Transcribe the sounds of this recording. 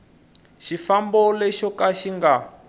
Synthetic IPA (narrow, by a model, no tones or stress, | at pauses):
ʃifambɔlɛʃɔkaʃiŋɡa